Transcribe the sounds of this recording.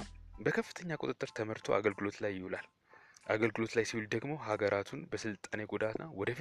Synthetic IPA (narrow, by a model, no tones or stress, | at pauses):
bəkʰəfːɨ̥t̪ʰəɲːakʼut̪ʼɨt̪ʼːɨɾt̪ʰəməɾt̪ʰo̞̰a̰ɡəlɡɨlo̞t̪lajːɪhulal | ʔaɡəlɡɨlo̞t̪lajsiwuld̪əɡmo̞ɦaɡəɾʔat̪ʰunbəsɨlt̪ʼane̞ɡud̪at̪nːawɔd̪əf